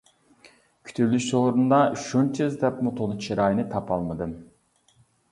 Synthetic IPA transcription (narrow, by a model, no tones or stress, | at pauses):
kʲʰy̥t̪ʰylːyʃoɾund̪ɑʃunt͡ʃʰɨzd̪ɛpmut̪ʰolˠɨt͡ʃʰiɾɑjnɨt̪ʰɑpʰɑlˠmɨd̪ɨm